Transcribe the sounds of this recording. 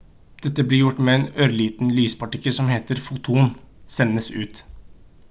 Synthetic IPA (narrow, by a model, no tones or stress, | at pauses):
d̪̥ɛt̪ːəblɪɾjʊʈːmɛɛːnøːɾliːt̪n̩lyːspɑʈɪkːəlsɔmheːt̪əɾfut̪ʰʊnsɛnːəsʉ̰ːt̪